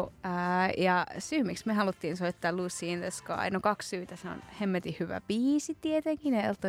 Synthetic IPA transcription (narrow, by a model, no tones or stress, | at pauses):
jɑsyːmiksmehɑlut̪ːiːnsoit̪ːɑːluːsːiːnt̪eskɑ̰ɑ̰inokɑkssyːt̪æseo̰nhemːet̪ihyʋæ̰piːsit̪iet̪eŋkineelt̪ːo